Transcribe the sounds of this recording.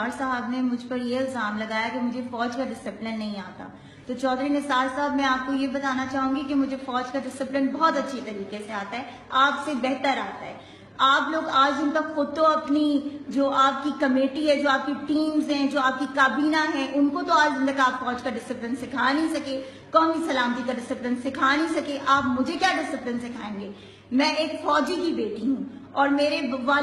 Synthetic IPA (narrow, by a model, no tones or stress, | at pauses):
aːɾsɐɦəbnemʊd͡ʒʱpɐɾjeɪlzaːmlɐɡaːjakemʊd͡ʒʱefɔːd͡ʒkaɖɪsɪplɪnːɐɦĩaːt̪a̰ː | t̪ot͡ʃɔːd̪ɾinɪsaːɾsaɦəbmɛ̃aːp̚kojebɐt̪aːnat͡ʃaːɦũːŋɡikemʊd͡ʒʱefɔːd͡ʒkaɖɪsɪplɪnbɔːt̪ɐtːʃʰet̪ɐɾiːkeseaːt̪aɦɛː | aːpsebɛɦt̪əɾaːt̪aɦɛː | aːploːɡaːd͡ʒʊnt̪akxʊd̪̚t̪ːoɐpnid͡ʒoːʔaːp̚kikɐmeːʈiɦɛd͡ʒoːaːp̚kiʈiːmzɦɛ̃d͡ʒoːaːp̚kikaːbiːnaɦɛ̃ʔʊnkot̪oaːd͡ʒɪ̃nt̪ɐkaːpfɔːd͡ʒkaɖɪsɪplɪnsɪkʰaːnɦĩsɐke | kɔːmisɐlaːmt̪̬ikaɖɪsɪplɪnsɪkʰaːnɐɦĩsɐkeʔaːpmʊd͡ʒʱekjaːɖɪsɪplɪnsɪkʰaːẽːŋɡeː | mɛ̃ːʔeːkfɔːd͡ʒikibeːʈiɦũːɔːɾmeːɾebɐʋaː